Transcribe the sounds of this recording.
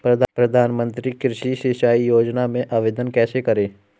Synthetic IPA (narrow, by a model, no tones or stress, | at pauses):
pɾɐd̪ʱpɾɐd̪ʱaːnmə̃nt̪ɾikɪɾʃiʃeʃaːijoːd͡ʒnamẽʔaːʋeːd̪ənkɛːsekɐɾẽː